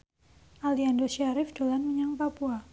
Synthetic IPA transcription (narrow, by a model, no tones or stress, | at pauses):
ʔaliandoʃaɾɪfd̥olanməɲaŋpapua